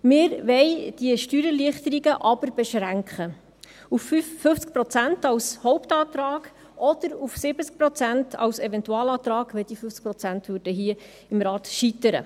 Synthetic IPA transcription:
mɪɾʋɛɪd̥iəʃtyːɾəliəχt̪əɾiɡəʔɑbəɾb̥ɛʃɾæŋkχə | ufyːɵft͡sk̚pɾɔt͡sæntɑwshɔwptɑːt̪ɾɑːɡ̥ | ʔɔd̪̥əɾufsɪbət͡sk̚pɾɔt͡sæntʰɑ̰wsɛvɛntuɑːlɑːt̪ɾɑːɡʋɛld̥̪ifʏft͡skpɾɔt͡sæntvøːɾd̥əɦiə | ɪmɾɑːt̪ʃitəɾə̰

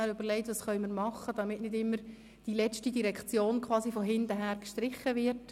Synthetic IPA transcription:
æɾøb̥əɾlɛɪtʋɑːsχœʏmiːɾmɑχəd̥ɑmɪtnɪdɪmːəɾ | d̥ilɛt͡stidiɾɛkt͡sjoːnkʰʋɑːsifɔɦɪndəɦæːɾkʃtɾɪχːəvɪɾt

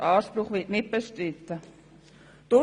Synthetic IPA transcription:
ʔɑːʃpɾʊχvɪtnɪt̚b̥eʃtɾɪt̪ːə | d̥ʊ

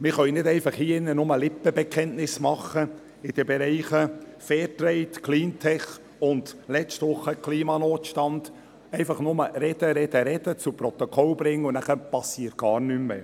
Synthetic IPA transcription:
mɪχœʏnɪdɛɪfɑχhiːɪnːənʊməlɪpːəbɛkʰɛntnɪsmɑχə | ɪd̥əbɛɾɛɪχəfɛːɾtɾɛɪtkʰliːntʰɛχ | ʊnd̪lɛt͡stʋʊχːəkʰliːmɑnoːtʃtɑnd̥ | ɛɪfɑχnʊməɾɛd̥əɾɛdəɾɛd̥ət͡supɾɔt̪ɔkʰɔlb̥ɾɪŋːəʊnæχəpɑsiːəɾt̚ɡ̥ɑːɾnʏmːə̰

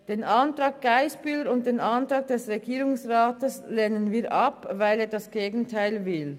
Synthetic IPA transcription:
d̥eːnʔɑntʁɑːk̚ɡ̥aɪsb̥yləɾʊnt̚d̥eːnɑntʁɑːɡ̚d̥ɛsʁeɡiːʁʊŋsʁɑːtəslɛːnənviːʔɑpvaɪleːɐdɑsɡ̥eːɡn̩tʰaɪlvɪl

